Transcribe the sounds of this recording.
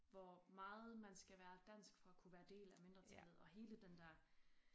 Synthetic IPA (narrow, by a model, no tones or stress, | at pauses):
ʋɒmɑ̈ːð̞̩ˠmænsɡ̥æʋæːɐd̥æn̰sɡ̥fɒ̽ækʰuʋæːɐd̥e̝̰ːlæme̝nd̥ʁɐt͡sʰlð̩ˠɒ̽ɦe̝ːləd̥end̥æɐ̰